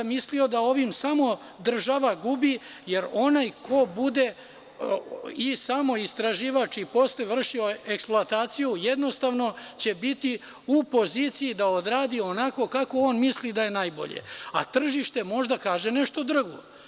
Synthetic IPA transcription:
mislio̞d̪ao̞ʋimsamo̞ | d̪r̩ʒaʋaɡubi | je̞ɾo̞najkʰo̞bud̪e̞ | isamo̞ist̪ɾaʒiːʋat͡ʃipo̞sleʋr̩ʃio̞eksplˠoat̪aːt̪sijujed̪no̞st̪aːʋno̞t͡ɕe̞bit̪i | upo̞ziːt̪sijid̪aod̪ɾaːd̪io̞nako̞kako̞oːnmislid̪aje̞najbo̞̰ʎḛa̰t̪r̩ʒiʃt̪e̞mo̞ʒd̪akaːʒe̞neʃt̪o̞d̪r̩ɡo̰

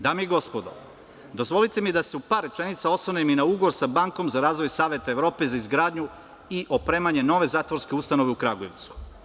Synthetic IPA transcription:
d̪aːmiiɡo̞spod̪o̞̰ | d̪o̞zʋo̞lit̪e̞mid̪ase̞upaːɾːe̞t͡ʃe̞nit̪sao̞sʋaneminauɡoʋoɾsabaŋko̞mzaɾaːzʋo̞jsaːʋje̞t̪aeʋɾo̞ːpe̞zaizɡɾaːd̪ɲu | iʔo̞pɾe̞ːmaɲe̞no̞ʋe̞zaːt̪ʋo̞ɾske̞ust̪ano̞ʋeukɾaɡuje̞ʋt̪su̥

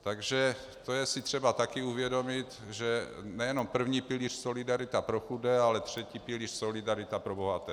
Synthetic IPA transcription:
t̪aɡʒɛ | t̪o̞jɛsɪt̪r̝̥ɛbat̪akɪuvjɛdo̞mɪt̪ | ʒɛnɛjɛno̞mpr̩vɲiːpɪliːr̝̥so̞lɪdaɾɪt̪apɾoxudɛalɛt̪r̝̥ɛciːpɪliːr̥so̞lɪdaɾɪt̪apɾobo̞ɦat̪ɛː

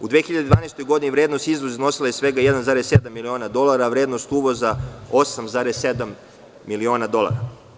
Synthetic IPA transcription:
ud̪ʋeːxiʎad̪ed̪ʋaːneːst̪o̞jɡo̞d̪inivɾeːd̪no̞st̪izʋozino̞silajesʋeɡajɛd̪anzaːɾessed̪amːilioːnad̪o̞lˠaɾaʋɾeːd̪no̞st̪uːʋo̞zao̞samzaːɾesːed̪amː | ilio̞ːnad̪o̞lˠa̰ɾa

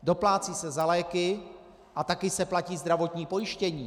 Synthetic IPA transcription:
do̞plaːt͡siːsɛzalɛːkɪ | ʔat̪akɪsɛplaciːzd̪ɾavo̞t̪ɲiːpo̞jɪʃcɛɲiː

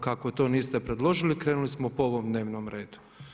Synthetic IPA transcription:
kako̞t̪o̞ːniːst̪epɾe̞d̪lˠo̞ʒilikɾeːnulismopooʋomd̪ne̞ːʋnomɾe̞ːd̪u̥

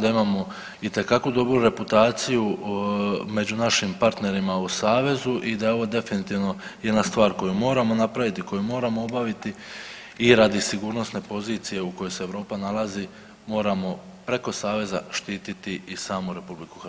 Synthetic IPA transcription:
d̪aimaːmo̞ | it̪e̞kakʋud̪o̞bɾuɾe̞put̪aːt̪siju | me̞d͡ʑunaʃimpaɾt̪ne̞ɾimausaːʋe̞zuʔid̪aeo̞ʋo̞d̪e̞finit̪iːʋno̞je̞d̪nast̪ʋaːɾko̞jumo̞ːɾamo̞napɾaʋit̪iko̞jumo̞ːɾamo̞o̞baʋit̪i | iɾad̪isiɡuːɾno̞sne̞po̞ziːt̪sije̞ukojo̞jse̞ːʋɾo̞ːpanalazi | mo̞ːɾamo̞ | pɾe̞ko̞saːʋe̞za̰ʃt̪iːt̪it̪iisaːmuɾe̞publiku̥x

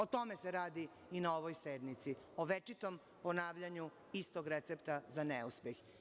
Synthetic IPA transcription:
ot̪o̞meseɾaːd̪i | inaoʋojsed̪mit̪sioʋet͡ʃit̪o̞m | po̞naːʋʎaɲu | ist̪oɡɾet̪sept̪azaneuspjex

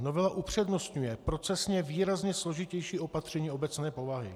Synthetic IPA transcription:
no̞vɛlaʔupr̝̥ɛdnost̪ɲujɛpɾo̞t͡sɛsɲɛviːɾazɲɛslo̞ʒɪcɛjʃiːo̞pat̪r̝̥ɛɲiːo̞bɛt͡snɛːpo̞vaɦɪ̰

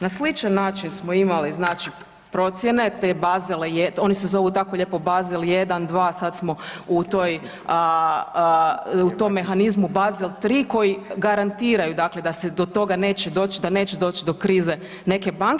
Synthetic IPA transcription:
naslit͡ʃanːaːt͡ʃinsmo̞imaliznaːt͡ʃi | pɾo̞t̪sjene̞t̪ebazelejeo̞nise̞zo̞ʋut̪akoʎe̞ːpo̞bazilˠje̞d̪and̪ʋaːsad̪smo̞ut̪o̞j | ə | ut̪o̞mːe̞xanizmubazilˠt̪ɾiːko̞jiɡaɾant̪iːɾajud̪akle̞d̪ased̪o̞t̪o̞ɡane̞ːt͡ɕed̪o̞ːt͡ʃid̪ane̞ːt͡ɕed̪o̞ːt͡ɕid̪o̞kɾiːze̞ | ne̞ke̞baŋk

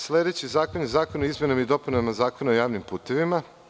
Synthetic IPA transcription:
slʲed̪e̞t͡ɕizaːkonizaːkonoizmʲje̞namaid̪o̞punaʋimazaːko̞naojaːʋnimpuːt̪e̞ʋima

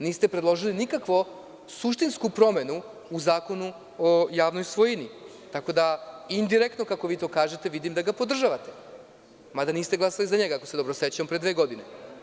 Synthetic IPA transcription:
niːst̪e̞pɾe̞d̪lˠo̞ʒilinikakʋo̞ | suʃt̪inskupɾo̞me̞nuː | zaːko̞nu | ojaːʋnojsʋo̞jini | t̪ako̞d̪aind̪iɾe̞k̚t̪nokako̞ʋiːt̪o̞ːkaːʒe̞t̪e̞ʋid̪imd̪aɡapo̞d̪r̩ʒaʋat̪e̞ | mad̪aniːst̪eɡlˠasalizaɲeɡaako̞sed̪o̞bɾoset͡ɕampɾed̪ʋe̞ːɡo̞d̪ine

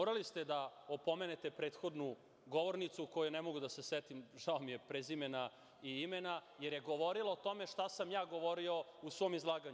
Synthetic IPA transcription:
oɾalist̪e̞d̪aopo̞me̞net̪e̞pɾe̞ːt̪xo̞d̪nu | ɡo̞ʋo̞ɾnit̪sukojunemo̞ɡud̪ase̞sʋet̪imʒaomijepɾezimena | iimenaje̞ɾjeɡoʋo̞ɾiloːt̪o̞me̞ʂt̪asamjaːɡo̞ʋoɾio̞usʋo̞ːmizlˠaːɡaɲ

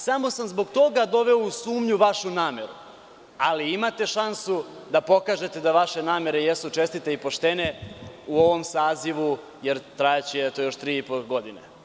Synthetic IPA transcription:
samo̞samzbo̞ɡt̪o̞ɡad̪o̞ʋe̞ousuːmɲuʋaʃunaːme̞ɾṵ | aliimat̪e̞ʃansud̪apo̞kaːʒe̞t̪e̞d̪aʋaʃe̞naːme̞ɾe̞jesut͡ʃe̞st̪it̪eipo̞ʃt̪eneuo̞ʋo̞msaːziʋu | je̞ɾt̪ɾajat͡ɕiɛt̪ojo̞ʃt̪ɾiipoɡo̞d̪ine

